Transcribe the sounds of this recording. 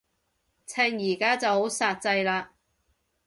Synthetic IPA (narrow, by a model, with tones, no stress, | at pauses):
t͡sʰɛː˧ŋjiː˨˩kaː˥t͡sɐ˨who˨˥wsaː˧t̚t͡sɐ˧jlaː˧